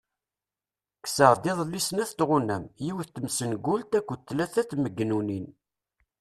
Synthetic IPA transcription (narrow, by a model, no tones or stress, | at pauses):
ksəʁˤd̪ɪðˤlːisnæθt̪ʁunæmjiwθt̪ːmsənɡʊlt̪ækʷːət̪ːlæθæt̪ːməɡːnunin